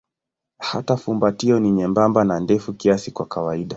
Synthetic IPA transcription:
hatafumbatiɔniɲɛmbambanandɛfukiasikwakawaiɗa

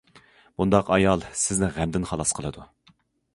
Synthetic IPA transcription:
b̥und̪ɑqɑjɑlˠsɪznɪʁæmd̪ɪnχɑlˠɑsqʰəlˠɨd̪u

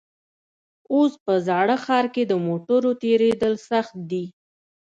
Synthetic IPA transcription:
ospəzɑɽəxɑɾked̪əmoʈəɾot̪eɾed̪əlsaxt̪̚d̪i

